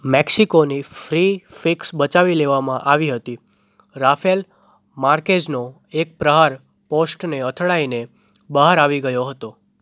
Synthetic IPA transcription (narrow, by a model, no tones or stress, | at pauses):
mɛksikonifɾifiksbət͡ʃaʋileʋamãʔaʋiɦət̪i | ɾafel | maɾked͡ʒno | ek̚pɾəɦaɾ | posʈneət̪ʰɭaine | bəɦaɾaʋiɡəjoɦət̪o